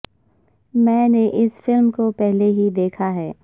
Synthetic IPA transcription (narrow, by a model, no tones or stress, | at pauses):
mɛ̃ːneʔɪsfɪlmkopɛɦleɦid̪eːkʰaɦɛː